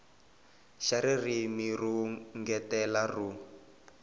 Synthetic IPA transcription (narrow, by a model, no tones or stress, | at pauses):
ʃaɾirimiruŋɡɛtɛlaru